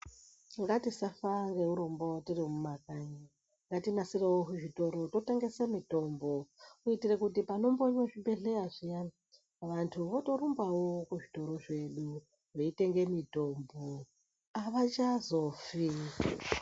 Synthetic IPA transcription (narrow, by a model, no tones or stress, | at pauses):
ŋɡatisafaŋɡeuɾombotiɾimumakʼaɲi | ŋɡatinasiɾewoɦuʐitoɾototeŋɡesemitʼombokuitiɾekutipanomboɲwoʐibeɮeaʐijana | ʋantʰuβoto̞ɾumbawokuʐitoɾoʐeɗu | weiteŋɡemitombo | aβat͡ʃazofia